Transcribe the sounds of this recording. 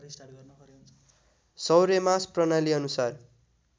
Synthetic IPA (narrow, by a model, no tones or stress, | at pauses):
n | sʌwɾemasprʌnaliʌnusar